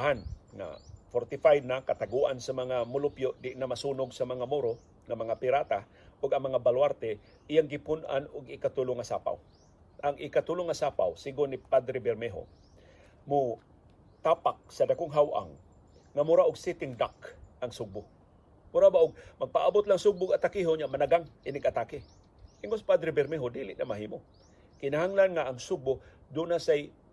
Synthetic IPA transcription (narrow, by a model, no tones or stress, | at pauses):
ɦanŋa̰foɾt̪ɪfajd̪̚nakat̪aɡuʔansamɐŋamʊlʊpjoʔd̪ɪʔnamasuːnʊɡsamɐŋamuɾo | ŋamɐŋapɪɾat̪a | ʔʊɡɐŋmɐŋabalwaɾt̪ɛ | ʔɪjaŋɡɪpʊnʔa̰nʊɡɪkat̪ʊlʊŋasa̰ːpa̰w | ʔaŋʔɪkat̪ʊlʊŋasaːpa̰wsɪɡʊnɪpad̪ɾɪbɛɾmɛɦo̰ | mʊ | t̪aːpak̚sɐdakʊŋɦawʔa̰ŋː | amʊɾaʔʊɡsɪt̪ɪŋd̪akʔɐŋsʊɡ̚bʊ | mʊɾabaʔʊɡ̚mɐɡ̚paʔabʊt̪laŋsʊɡ̚bʊɡat̪akɪɦoɲamanaɡaŋʔɪnɪɡʔat̪akɪ | ʔɪŋospad̪ɾɪbɛɾmɛɦod̪iːlɪʔnamaɦiːmo | kɪnaɦaŋlanŋaːŋsʊɡ̚bʊd̪unasaj